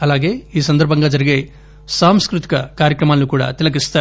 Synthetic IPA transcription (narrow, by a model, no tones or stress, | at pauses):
ɐlaːɡe̞ːiːs̬ɐnd̪ɐɾbʱɐŋɡaːd͡ʒɐɾiɡeː | saːmskɾut̪i̥kɐkaːɾjɐkɾɐmaːlnːukuːɽa̰ːt̪ilɐɡ̬ist̪aː